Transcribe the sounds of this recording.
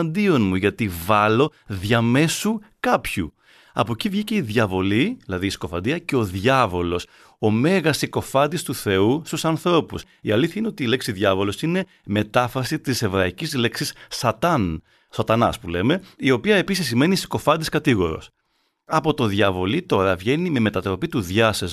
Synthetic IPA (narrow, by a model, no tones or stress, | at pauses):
nd̪io̞nmuʝɐt̪ivɐlo̞ðʝɐme̞sukɐpçṵ | ɐ̰po̞civʝice̞iðʝɐvo̞liðilɐðiːsi̥ko̞fɐ̰nd̪iɐceo̞ðʝɐvo̞lo̞s | o̞me̞ɣɐsiko̞fɐnd̪ist̪uθe̞ust̪usɐnθɾo̞pus | iɐliθçɐineo̞t̪iːle̞ksiðʝɐvo̞lo̞sine̞ | me̞t̪ɐfɾɐsit̪ise̞vɾɐicizle̞ksisːɐt̪ɐn | sɐt̪ɐnɐ̰spule̞me̞io̞piɐe̞pisisːime̞nisi̥ko̞fɐnd̪iskɐt̪iɣo̞ɾo̞̰s | ɐpo̞t̪o̞ðʝɐvo̞lit̪o̞ɾɐvʝe̞nime̞me̞t̪ɐt̪ɾo̞pit̪uðʝɐsez